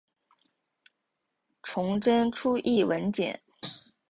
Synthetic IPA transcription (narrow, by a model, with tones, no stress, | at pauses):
ʈ͡ʂʰʊ˧˥ŋʈ͡ʂə˥nʈ͡ʂʰu˥ʔi˥˩wə˧˥nt͡ɕjɛ̰˨˩˦n